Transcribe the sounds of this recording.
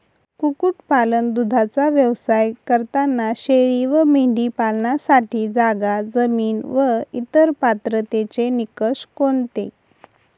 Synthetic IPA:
kukuʈpalənd̪ud̪ʱat͡saʋjəʋsajkəɾt̪anːaɕeɭiːʋəmiɳɖipalnasaʈiːd͡zaɡad͡zəmiːnʋəit̪əɾpat̪ɾət̪et͡senikəʂkont̪ḛ

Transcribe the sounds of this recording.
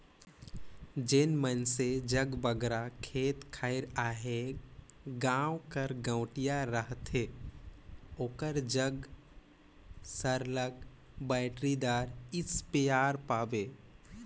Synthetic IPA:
d͡ʒenmənsed͡ʒəɡbəɡɾakʰeːt̪kʰaːɪɾaːɦe | ɡãːwkəɾɡə̃ʊʈijaɾəɦt̪ɦe | oːkəɾd͡ʒəɡ | səɾləɡ | bɛːɪʈɾid̪aːɾɪspejaːɾpaːbeː

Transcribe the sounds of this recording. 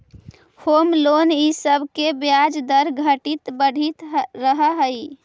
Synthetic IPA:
hoːmlonisəbʱkebjad͡ʒd̪əɾɡʱəʈit̪bəɽ̤ʱit̪ɾəɦəɦəi

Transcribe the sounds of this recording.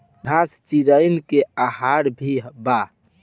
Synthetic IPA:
ɡʱast͡ʃiɾəɪnkeaɦaɾbʱiba

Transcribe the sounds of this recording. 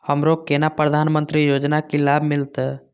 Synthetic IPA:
həmɾokenapɾəd̪ʱaːnmə̃nt̪ɾijoːd͡ʒnakilaːbʱmɪlt̪ɛ

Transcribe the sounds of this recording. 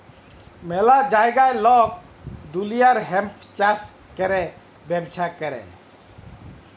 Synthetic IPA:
mɛlad͡ʒajɡajlɔk̚ | d̪ulijaɾɦɛmpʰt͡ʃas | kɛɾɛ | bɛbt͡ʃʰakɛɾɛ̰

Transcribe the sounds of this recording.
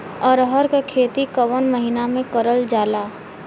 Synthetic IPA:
ɔɾɦəɾkakʰeːt̪ikəʋənməɦinamẽkəɾəld͡ʒaːlaː

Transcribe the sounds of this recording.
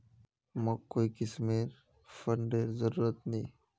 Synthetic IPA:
məkoːikɪsmeːɾ | fəɳɖezəɾuːɾət̪nɐĩː

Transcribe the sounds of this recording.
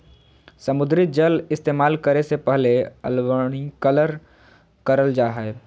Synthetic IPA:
səmʊd̪ɾɪt̪̚d͡ʒəlɪst̪eːmaːlkəɾesepɛɦleə̰lwəɽ̃ikələɾ | kɐɾəld͡ʒaːɦɛe

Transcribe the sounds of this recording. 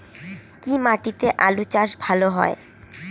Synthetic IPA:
kimaʈit̪eʔalut͡ɕaʃbʱaloɦɔ̰e

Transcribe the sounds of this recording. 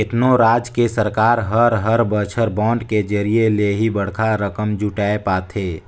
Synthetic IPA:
ɪt̪noɾaːd͡ʒkesəɾkaːɾɦəɾɦəɾbət͡ʃʰəɾbɔ̃ːɳɖked͡ʒəɾieleɦibəɽkʰaɾəkəmd͡ʒuʈaːepaːt̪ʰeː

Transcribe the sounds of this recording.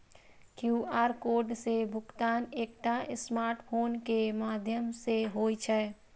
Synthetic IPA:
kjuːʔaːɾkoːɾɖsebʱʊkt̪aːneːkʈ̪aɪsmaːɾʈpʰoːnkemaːd̪ʱjəmseɦoːit͡ʃʰɛː

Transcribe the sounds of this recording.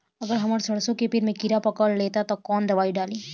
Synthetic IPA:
ɐɡəɾɦɐməɾsɐɽsõkepɪɾmẽkiɾapɐkəlleːt̪at̪ɐkɔːnd̪ɐʋaːiɖaːliː

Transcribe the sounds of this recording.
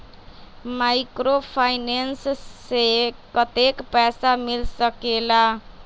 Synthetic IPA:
majkɾopʰajnensːekʌt̪ekpɛsamilsʌkela

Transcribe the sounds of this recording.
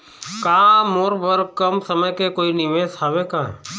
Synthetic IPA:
kaːmoːɾbəɾkəmsəməjkekoːinɪʋeːshaʋekaː

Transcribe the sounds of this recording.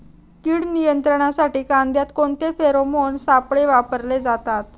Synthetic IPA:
kiːɽnijənt̪ɾəɳ̃asaʈiːkand̪jat̪koɳt̪efeɾomonsapɭeʋapəɾled͡zat̪at̪

